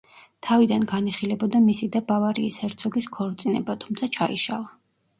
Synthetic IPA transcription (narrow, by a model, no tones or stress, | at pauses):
t̪ʰavid̪anɡaniχilɛbɔd̪amisid̪abavaɾiːshɛɾt̪sʰɔɡiskʰɔɾt̪sʼinɛbat̪ʰumt̪sʰat͡ʃʰaḭʃa̰lˠa